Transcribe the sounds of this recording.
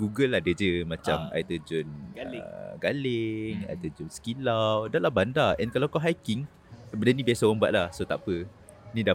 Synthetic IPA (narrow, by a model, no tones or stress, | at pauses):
ɡuɡəladəd͡ʒəmãt͡ʃama̰jt̪əd͡ʒʊn̰ | ɡaleŋa̰jt̪əd͡ʒʊnsə̥kilawdalahbandaɛnkalawkaɦajkiŋ | bənənĩbiasaəmba̰ʔ̪̚lahsot̪apə | nĩda